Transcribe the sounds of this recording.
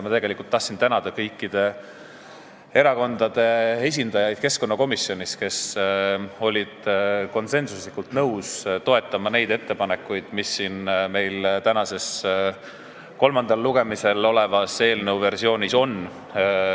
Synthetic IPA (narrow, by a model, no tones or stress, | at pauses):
mɑt̪e̞ɡe̞likult̪ːɑht̪sint̪ænɑd̪̥ɑkɤjkˑːid̪̥e̞ | e̞ɾɑko̞nd̪̥ɑd̪̥e̞e̞s̬ʲind̪̥ɑjɑjd̪̥̚ke̞sko̞nːɑko̞misjo̞nʲiske̞s | o̞lʲid̪̥ko̞nse̞nsuslikult̪nɤwst̪o̞e̞t̪ːˑɑmɑne̞jd̪e̞t̪ːe̞pɑne̞kːˑujd̪̥misːiːnme̞jlt̪ænɑse̞s | ko̞lmɑnd̪̥ɑlːuɡe̞mise̞lo̞le̞vɑse̞ːlnəwve̞ɾrsio̞ːnʲiso̞n